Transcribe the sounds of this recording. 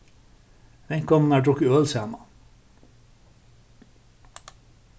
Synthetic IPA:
ʋɛŋkɔmn̩æːɖɾʊkəøːlsæːmɑ

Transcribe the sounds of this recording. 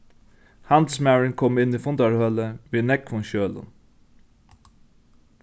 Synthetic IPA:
hɑnd̪̩smæɹɪnkʰɔmɪniːfɔnd̪ɑɹhœləʋiːnɛkfɔnçøːlə̰n

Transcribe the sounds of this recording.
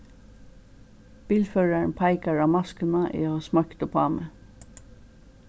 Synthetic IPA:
b̥iːlføːɹəɳpʰɑɪkɑɹɑːmɑskənɑʔḭːoɑːsmɑkt̪ʊpʰɑːmə

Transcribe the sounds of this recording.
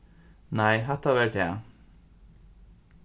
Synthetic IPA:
næɪɦæt̪ɑʋeːʈæ̰

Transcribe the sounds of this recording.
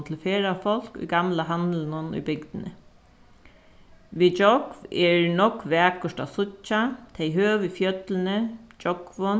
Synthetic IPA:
t̪ʰɪlfeːɾafɔl̥kʊ̰jɡamlaɦand̪lnʊnʊ̰jbɪɡd̪nə̰ | ʋiːd͡ʒɔkʋɛɹnɔkʋæːkɔʂʈa̰sʊcːat̪ʰejɦøːʋɪfjœt̪lənəd͡ʒɔɡ̥ʋɔn

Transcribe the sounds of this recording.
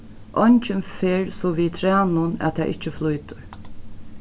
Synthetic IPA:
ʔɔɲt͡ʃənfeːɾsɔʋiːt̪ʰɾæːnʊnæ̰t̪ʰɛ̰ʔɪt͡ʃːəflujt̪ʊɹ

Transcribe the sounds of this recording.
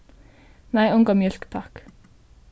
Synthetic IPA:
næɪʊŋɡɑmjœlkt̪ʰɑk

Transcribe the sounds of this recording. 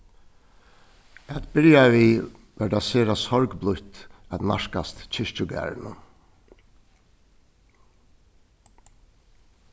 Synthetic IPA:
æt̪bɪljaʋiː | ʋɛd̪aseːɾasɔɹɡblʊht̪æna̰ʂkast̪t͡ɕʰɪʂt͡ʃʊɡæ̰ːɹnʊ̰

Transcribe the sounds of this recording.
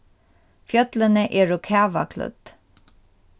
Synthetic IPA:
fjœt̪lənəʔeːɹokʰæːʋa̰kʰlɵ̰t̪

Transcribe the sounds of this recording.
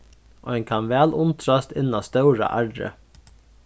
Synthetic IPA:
ʔo̰ːɛnkʰɑnʋæːlʊnt̪ʰɾast̪ɪnːast̪œʊɾa̰ʔæɹɖə̰

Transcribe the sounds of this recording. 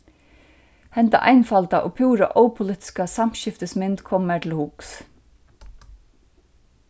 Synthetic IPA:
hɛnt̪a̰ʔɑ̰jnfalt̪aʔoːpʰuːɾa̰ʔɔwpʰʊlɪːt̪ɪ̥skasam̥ʃɪft̪əsmɪnt̪kʰɔmːæt̪ʰɪlhuks

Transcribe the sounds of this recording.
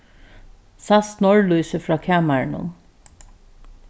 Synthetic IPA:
sasnɔɹluːsəfɾɑːkʰæːmæɹɳʊ̰n

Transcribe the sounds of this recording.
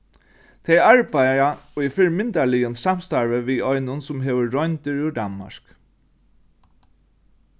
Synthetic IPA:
t̪ʰɛjaɹpajaifɪɹmɪnt̪alɪjʊnsam̥st̪aɹʋəʋiɔjnʊnsʊmɦɛʋəːɔjnt̪ɪɹʉd̪anma̰ɹ̥k

